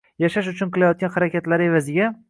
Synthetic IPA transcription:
jaʃaʃʊt͡ʃʰʊnqʰɨlˠajɒt̪̚ɡʲanhaɾakʲat̪laɾe̞vazɪɡʲa

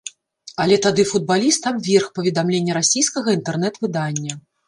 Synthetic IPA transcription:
ɐlʲɛt̪ad̪ɨfud̪̚balʲist̪abvʲerxpɐvʲɛd̪amlʲenʲːɐɾasʲijskɐɣɐint̪ɛrn̪ɛt̪vɨd̪anʲːɐ

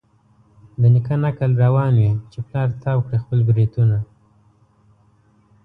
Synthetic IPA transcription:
d̪ənɪkanakəlɾawɑnwit͡ʃeplɑɾt̪ɑwkɽexpəlɡɾet̪una

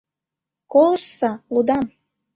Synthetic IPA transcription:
kolˠəʃsɑlud̪ɑm

